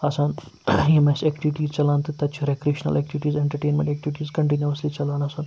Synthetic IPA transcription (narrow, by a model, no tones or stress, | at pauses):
ɐsãːn | jemɐsɛkʈiʋiʈiːzt͡ʃɐlãːnt̪ɨt̪ɐt̪t͡ɕʰiɾekɾiʃnɐ̰lʔɛk̚ʈiʋiʈiːzeɳʈɐɾʈeːnmḛ̃ɳʈɛk̚ʈiʋiʈiːzkɐɳʈinjuəslit͡ʃɐlanɐsãn